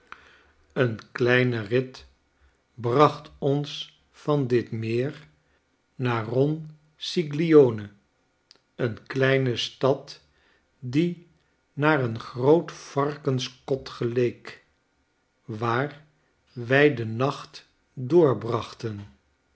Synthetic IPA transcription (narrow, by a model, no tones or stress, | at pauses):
ənklɛjnərɪt | brɑχtɔns | fɑndɪtmɪːɹ | naːrɔn | siɡlioːnə | ənklɛjnəstɑt | di | naːrənχrowtfɑrkənskɔtχəlejk | ʋaːr | ʋɛjdənɑχt | dʊːɹbrɑχtən